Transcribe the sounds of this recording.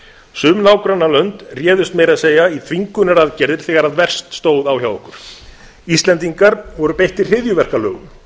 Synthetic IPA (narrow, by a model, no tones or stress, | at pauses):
sʏːmnaːwkɾanːalœnt̪rjɛːðʏst̪mjɛjɾaðseːjait̪ʰviŋkʏnɪɾaðcɛɾðɪɾ̥θɛːɣaɾaðvɛr̥st̪st̪oːwðaːwçawɔhkʏɾ̥ | ist̪lɛnt̪iŋkaɾvɔɾʏpejht̪ɪr̥r̥ɪðjʏvɛr̥kalœːɣʏm